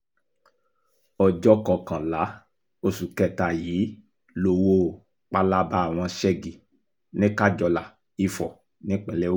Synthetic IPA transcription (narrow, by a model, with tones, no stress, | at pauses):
ɔ˨d͡ʒɔ˦kɔ˨kã˨la˨˦ | o˧su˨kɛ˨ta˨jiː˨˦ | lo˧˨wo˧˦ | k͡pa˧la˦ba˦a˨w̃ɔ̃˧ʃɛ˦ɡi˨ | nĩ˦ka˦d͡ʒɔ˧la˨ | i˧fɔ˨ | nĩ˦k͡pɛ̃˧˨lɛ˦